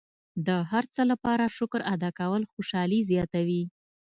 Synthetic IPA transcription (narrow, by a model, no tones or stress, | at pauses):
d̪əɦaɾt͡səlapɑɾaʃʊkɾad̪ɑkawəlxoʃɑlizjɑt̪awi